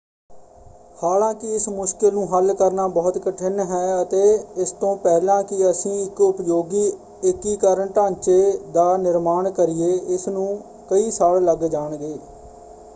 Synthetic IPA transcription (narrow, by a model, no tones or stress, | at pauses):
haːlãːkɪɪsmʊʃkɪlnũːɦəlkəɾnaːbɔːt̪kəʈʰɪnɦɛːət̪eːɪst̪õːpɛːlãːkɪəsĩːɪkʊpjoːɡiː | ɪkiːkəɾəɳʈãːnt͡ʃeːd̪aːnɪɾmaːɳkəɾɪeːɪsnũː | kəiːsaːlləɡd͡ʒaːɳɡeː